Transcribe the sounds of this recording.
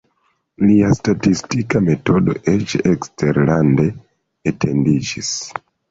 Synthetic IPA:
liastatistikame̞to̞do̞̰ʔet͡ʃekste̞ɾlande̞ | etʰe̞ndid͡ʒis

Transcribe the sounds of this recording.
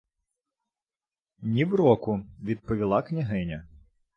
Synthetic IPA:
nʲiwɾɔkʊʋʲid̪̚pɔʋʲilˠɑknʲɐɦɪnʲɐ

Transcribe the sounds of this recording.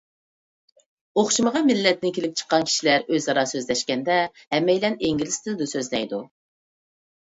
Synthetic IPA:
oχʃuməʁɑmɪlːɛt̪nɪnkʲʰelɪp̚ʲt͡ʃʰə̥qːɑnkʲʰi̥ʃilæɾøzɑɾɑsøzlɛʃkʲɛnd̪ɛ | hɛmːɛjlɛneŋɡʲilɪst̪ʰɪld̪usøzlɛjd̪u

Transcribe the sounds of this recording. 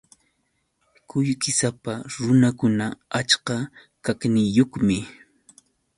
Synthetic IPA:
kʊʎkɪsapaɾʊnakʊnaat͡ʃka | kaknɪjoχmɪ

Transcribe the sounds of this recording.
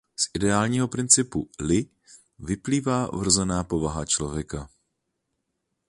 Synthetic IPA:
sʔɪdɛaːlɲiːɦo̞pɾɪnt͡sɪpulɪ | vɪpliːvaːvr̩zɛnaːpo̞vaɦat͡ʃlo̞vjɛka

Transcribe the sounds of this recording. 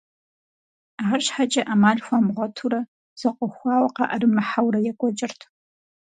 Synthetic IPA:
ʕarɕħat͡ʃʼɐʔamaːɮxʷɐmʁʷɔtʰuɾɐ | z̥ɐqʷʼɔxʷɑːwɐqɑ̰ʔɐɾɨmɨħawrɐjɛkʷʼɔt͡ʃʼɪrtʰ

